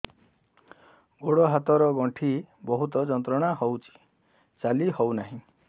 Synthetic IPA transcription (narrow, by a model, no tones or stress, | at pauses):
ɡoɽɔɦat̪ɔɾɔɡɔɳʈʰibɔɦut̪ɔd͡ʒɔnt̪ɾɔɽ̃aɦɔwt͡ʃʰi̥ | t͡ʃalihɔwnaɦĩ